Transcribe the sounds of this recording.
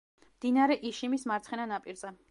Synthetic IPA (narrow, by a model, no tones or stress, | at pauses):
md̪̥inaɾɛʔiʃimismaɾt̪sʰχɛnanapʼiɾzɛ